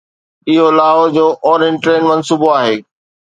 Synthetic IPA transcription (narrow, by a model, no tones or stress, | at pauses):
ɪɦolaːɦod͡ʑoːʔɔːɾɪ̃nʈɾeːnmɐnsuːboaːɦeː